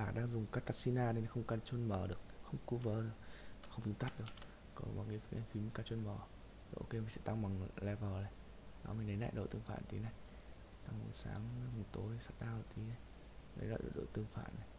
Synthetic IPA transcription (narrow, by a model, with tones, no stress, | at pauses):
aː˧˩ɗaː˧ŋzʊ˨˩ŋ͡mkaː˧t̪aː˧˥k̚si˧naː˧ne˨˦n˨˦xə˧wŋ͡mkə˨˩nt͡ɕwə˧nməː˧˩ɗɨ˨˩ək̚xə˧wŋ͡mku˨˦vəː˨˦ɗɨ˨˩ək̚xə˧wŋ͡mvɨ˨˦t̪a˦˥t̚ɗɨ˨˩ək̚ | kɔ˨˦ɓa˨˩ŋi˧˦˧ʔa˧nt̪wi˨˦m˨˦kaː˧˩t͡ɕwə˧nməː˧˩˨ | ʔo̰˧ke˧maː˨˩sɛ̰˧˥˦t̪a˧ŋɓa˨˩ŋlɛ˧vəː˨˩la˨˩j | na̰˨˦mi˨˩nə˨˦jla̰ː˧˨jɗo̰˧˨t̪ɨ˧əŋfa̰ː˧˨nt̪i˨˦na˧j | t̪a˧ŋmo̰˨˩tsa̰ː˨˦ŋ˧mu˨˩t̪o˨˦jsa˦˥t̚ɗaː˧˩wt̪ʰi˨˦a˨˧j | nə̰˨˦la̰ː˧˨ɗo̰˧˨ɗo̰˧˨t̪ɨ˧əŋfa̰ː˧˨nːa˨˩